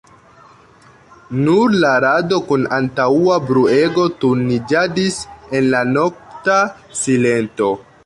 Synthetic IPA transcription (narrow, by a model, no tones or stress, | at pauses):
nuɾlaɾado̞kunantauabɾue̞ɡo̞tuɾnid͡ʒadise̞nlano̞k̚ta | sile̞nto̞